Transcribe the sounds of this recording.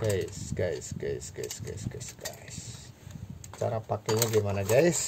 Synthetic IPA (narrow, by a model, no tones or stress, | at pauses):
ɡasɡajsɡajsɡa̰jsɡa̰sɡasɡ̥a̰s | t͡ʃa̰ɾapakɛɲaɡimanaɡaɪs